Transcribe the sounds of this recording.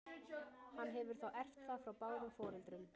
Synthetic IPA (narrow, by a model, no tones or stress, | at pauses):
hanːɦɛvʏɾ̥θawʔɛr̥t̪θafɾawpaːwɾʏmfɔːɾɪlt̪ɾʏm